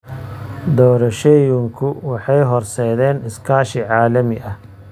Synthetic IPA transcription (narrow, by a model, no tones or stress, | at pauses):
d̪ɔːɾɐʃɛjʊŋkʰʊwɑħɑjɦɔrsɛːðɛːnɪskʰaːʃɪʕɑːlɐmɪʔɐ